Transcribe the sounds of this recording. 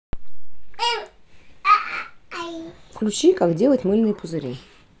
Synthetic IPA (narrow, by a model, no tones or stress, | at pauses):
fklʲʉt͡ɕikakdʲelˠətʲmɨlʲnɨjpʊzɨɾʲḛ